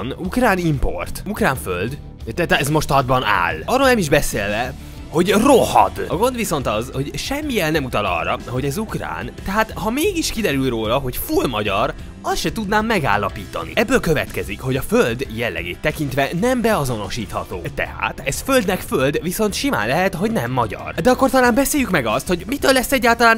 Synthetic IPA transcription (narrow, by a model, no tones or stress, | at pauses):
nukraːnimpo̞̰rt̪ukraːɱføld̪ | t̪ɛt̪ːɛzmo̞ʃt̪hɒd̪̚bɒna̰ːlɒroːlnɛmiʒbɛseːlvɛ | ho̞ɟro̞hɒ̰d̪ɒɡo̞nd̪ʋiso̞nt̪ɒzho̞ɟʃɛmːijɛlnɛmut̪ɒlɒ̰rːɒɦo̞ɟɛzukra̰ːnt̪ɛɦaːt̪hɒmeːɡiʃkid̪ɛɾylroːlɒɦo̞cfulmɒɟɒr | ɒsʃɛt̪ud̪naːmːɛɡa̰ːlːɒpiːt̪ɒ̰nḭɛbːøːlkø̞vɛ̰t̪kɛzikho̞ɟɒføld̪jɛlːɛ̰ɡḛːt̪ːɛkint̪ʋɛnɛmbɛɒzo̞no̞ʃiːt̪hɒt̪o̰ːt̪ɛ̰ha̰ːt̪ɛzføld̪nɛkfø̞ld̪viso̞nt̪ʃima̰ːnlɛɦɛt̪ɦo̞ɟnɛmːɒɟɒ̰rd̪ɛɒkːo̞rt̪ɒlaːmbɛseːjykmɛɡɒst̪ho̞ɟmit̪ølːɛsɛɟːaːlt̪ɒlaːn